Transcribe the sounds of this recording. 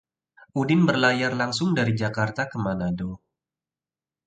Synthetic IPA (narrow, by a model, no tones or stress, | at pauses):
ʔudɪnbərlajarlaŋsʊŋdaɾid͡ʒakart̪akəmanado